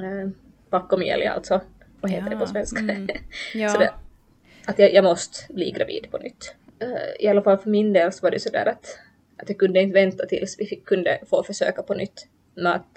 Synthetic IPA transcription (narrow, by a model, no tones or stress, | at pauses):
b̥akːɔmjɛ̰lj̰a̰lt̪sɔ | vaheːt̪əɖ̪ɛpʰɔsvɛnska | sɔd̪ɛ | at̪jɑjɑmɔst̪blḭːɡɾa̰vḭːd̪pʰɔnʏ̰t̪ː | ɪ̰alːafalːfœɾmɪnd̪eːlsɔvaɖɛ̰sɔd̪æ̰ːɾat̪ | ʔat̪jɑkɵnd̪əɪnt̪əvɛnt̪at̪ʰɪlsvɪfɪkʰːɵnd̪ə̰foːfœʂø̰ːkapɔnʏt̪ː | mɛat̪